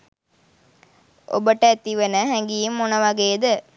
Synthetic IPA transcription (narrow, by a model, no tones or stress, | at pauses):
ʔo̰bəʈɐɛt̪iʋɐnɐɦɛŋɡijimːonɐʋɐɡeːd̪ə